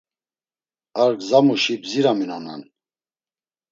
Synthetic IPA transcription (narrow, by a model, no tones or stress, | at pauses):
aɾɡzamuʃibziɾaminana̰n